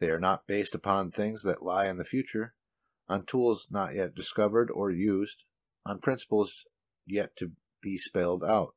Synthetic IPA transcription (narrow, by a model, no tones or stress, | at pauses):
ðeɪə˞nət̚b̥eɪstəpʰɑ̃nθɪ̃ŋzðɨ̰ʔlaɪɨ̃nðɨfjʉt͡ʃə˞ | ʔə̃ntʰulˠznəʔjɛt̚d̥ɨskʌvə˞ɾə˞jʉzd | ə̃npʰɹ̥ɪ̃nsə̥pl̩ˠz | jɛtʰɨ | b̥ispɛɪlˠdaʊt̚